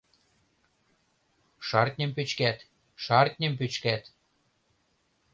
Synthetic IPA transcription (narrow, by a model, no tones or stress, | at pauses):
ʃɑrt̪̚ʲnʲəmpyt͡ɕkæt̪ | ʃɑrt̪̚ʲnʲə̆mp̬yt͡ɕkæt̪